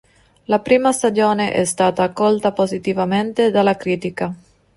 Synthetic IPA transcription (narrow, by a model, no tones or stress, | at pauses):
lapɾiːmast̪ad͡ʒoːneʔɛ̰st̪aːt̪aːkːɔlt̪apozit̪ivament̪ed̪alːakɾiːt̪ika